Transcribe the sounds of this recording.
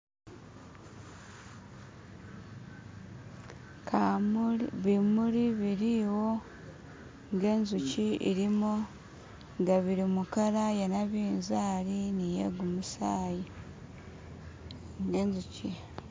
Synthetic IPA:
k | βimuɾiβiɾiwo̞ | ŋɡe̞ːnzuciḭɾimo | ŋɡaβiɾimukaɾajenaβiːnzaːɾinijḛɡumusaːji | ŋɡenzuci

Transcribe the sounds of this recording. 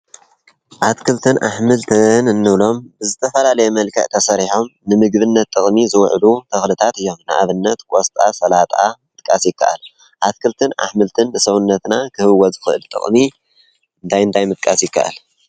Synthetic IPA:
ʔat̪kʰɨlt̪ʰɨnʔa̰ħmɨlt̪ʰɨnɨnːɨβlo̞mbɨzɨt̪ʰɐfɐlalɐjɛmɐlkʰɐ̰ʕt̪ʰɐsɐɾiħo̞mnɨmɨɡβɨnːɐt̪ʼːɨχʼmizɨwʕlut̪ʰɐxlɨt̪ʰat̪ɨjːo̞mnɨʔa̰βɨnːɐt̪kʼost̪ʼasɐlat̪ʼamɨt̪̚ʼkʼasjɪkːa̰ʔa̰l | ʔat̪kʰɨlt̪ʰɨnʔa̰ħmɨlt̪ʰɨnːɨsɐwunːɐt̪nakʰɨhɨwɐzɨxɨʔɨ̰lt̪ʼɨ̰χʼmi | ɨnt̪ʰajɨnt̪ʰajmɨt̪̚ʼkʼasjɪkːa̰ʔa̰l

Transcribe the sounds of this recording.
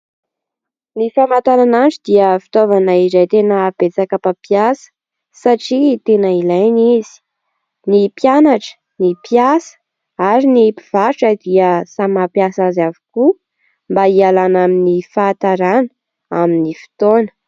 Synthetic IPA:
nifamat̪aɾananʈ͡ʂid̪iəfi̥t̪ovanəizajt̪enəb̥et͡sakapapjasə̥ | saʈ͡ʂit̪enəilajnizi̥ | nipjanaʈ͡ʂə̥ | nipjasə̥ | aɾinipiv̥aɾʈ͡ʂad̪iəsamapjasazaviku | mbaialanaminifat̪aɾanə̥ | a̰minifi̥t̪onə̥

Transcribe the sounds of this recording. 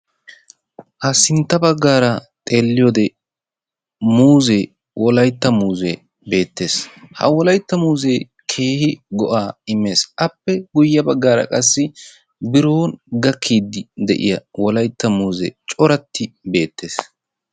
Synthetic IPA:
hɐsɪnt̪ːɐbɐɡːaːɾɐt̪ʼe̞ːlːɪjod̪ɛ | muːze | wʔɔlɐjt̪ːɐmuːzḛ | be̞ːt̪ːe̞ːshɐ̰wɔlɐjt̪ːɐmuːzeː | kʰe̞ːhɪɡɔʔaːɪmːe̞ːsʔɐpːɛɡʊjːɐbɐɡːaːɾɐ̰kʼɐsːɪ | bɪɾo̞ːnɡɐkʰːiːd̪ɪd̪ɛ̰ʔɪ̰jɐwɔlɐjt̪ːɐmuːzɛt͡ʃʼɔɾɐt̪ːɪbe̞ːt̪ːe̞ːs

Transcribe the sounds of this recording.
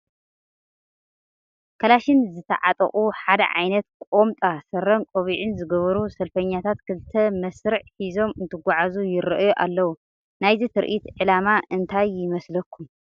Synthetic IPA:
kʰɐlaʃɪnzɨt̪ʰɐ̰ʕat̪ʼɐ̰χʼuħad̪ɐ̰ʕa̰jnɐt̪̚kʼomt̪ʼasɐɾɐnkʼoβiʕɪnzɨɡɐβɐɾusɐlfɐɲːat̪ʰat̪kʰɨlt̪ʰɐmɐsɾɨʕħizo̞mɨnt̪ʰɨɡʷaʕazujɪɾɐʔjuʔa̰lːɐwu | najzit̪ʰɨɾʔit̪ʕɨlamaʔɨnt̪ʰajːɪmɐslɐkʰːum

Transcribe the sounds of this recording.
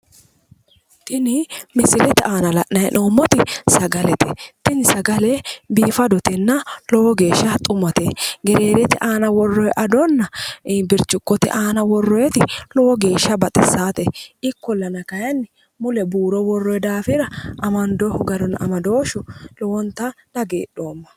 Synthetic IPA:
t̪ʼɪnɪmɪsɪlɛt̪ɪʔaːnɐlɐʔnɐjɛ̰nʔoːmːɔt̪ɪsɐɡɐlɛt̪ɛt̪ɪnɪsɐɡɐlɛbiːfɐd̪ɔt̪ɛnːɐlɔwɔɡe̞ːʃːɐt̪ʼʊmɐt̪eɡɛɾeːɾɛt̪ɪʔaːnɐwɔrːɔjɛʔɐd̪ɔnːɐbɪɾt͡ʃːʊkːɔt̪ɪ̰ʔaːnɐwɔrːɔjɛt̪ɪlɔwɔɡe̞ːʃːɐbɐt̪ʼɛsːaːt̪ɛɪkːɔlːɐnɐkɐjɐnːɪ | mʊlɛbuːɾɔwɔrːɔjɛd̪aːfɪɾɐɐmɐnd̪ɔhʊɡɐɾɔnɐ̰mɐd̪oːʃʊlɔwɔnt̪ːɐ | nɐɡeːɗo̞ːmːɐ̥

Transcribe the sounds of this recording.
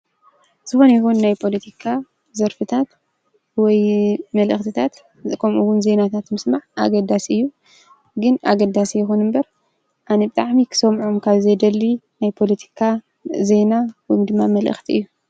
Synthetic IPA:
z̥ɨxo̞nɐjxunnajpʰo̞lɐt̪ʰikʰa | zɐɾfɨt̪ʰat̪ | wɔjmɐlʔɨxt̪ʰɨt̪ʰat̪ | kʰɐmʔuwʊnze̞nat̪ʰat̪mɨsmaʕʔa̰ɡɐd̪asɨjːu | ɡɨna̰ɡɐd̪asijɛxunɨmbɐɾ | ʔanɐbɨt̪ʼaʕmikʰɨ̥sɐmʕumkʰaβzɐjd̪ɐlːi | najpʰo̞lɐt̪ʰi̥kʰa | ze̞nawɔjmd̪ɨmːamɐlʔɨ̰xt̪ʰiɨjːu

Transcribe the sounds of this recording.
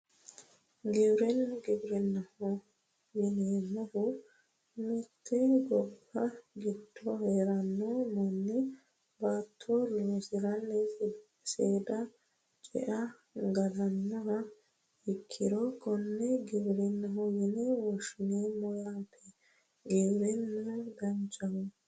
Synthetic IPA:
ɡɪbɾɛnɡɪbɾɛnːɐhɔ | jɪnɛmʊhʊ | mɛt̪ʰːɛɡɔbːɐɡɪd̪ːɔheːɾɐnːomɔnːɪ | baːt̪ʰːoloːsɪɾɐnːɛ | seːd̪ɐ | t͡ʃʼɛ̰ʔɐ | ɡɐd̪ɐnːɔhɐ | ɪkʰːɪɾɔkɔnːɛɡɪbɾɛnːɐɦɔjɪnɛwɔʃɪneːmɔjaːpʰːɛ | ɡɪbɾɛnːɐɡɐnt͡ʃʼːɐhʊ

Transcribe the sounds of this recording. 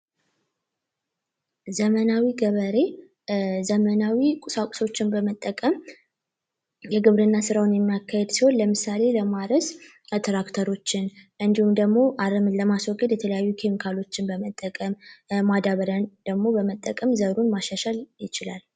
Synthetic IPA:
zəmənawiɡəβəɾe̞ | zəmənawikʼusakʼu̥so̞t͡ʃːɪnbəmət̪ʼːəkʼəm | jɛɡɨβɾɨnːasɨɾawʊnjɛmːijakːahed̪siho̞nləmɨsale̞ləmaɾəs | t̪ʰɾakt̪ʰəɾo̞t͡ʃːɪnʔɨnd̪ihumd̪əɡmo̞ʔaɾɨmɨləmaswɔɡʼːəd̪jɛt̪ʰələjajːukʰe̞mikʰalo̞t͡ʃːɪnbəmət̪ʼːəkʼəmmad̪aβəɾənd̪̥əɡmo̞bəmət̪ʼːəkʼəmzəɾunmaʃaʃaljɪt͡ʃɪla̰l

